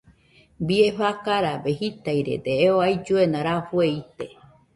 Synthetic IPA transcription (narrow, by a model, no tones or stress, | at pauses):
bieɸakaɾabehit̪ajɾḛd̪eːoajd͡ʒuenãɾafueit̪e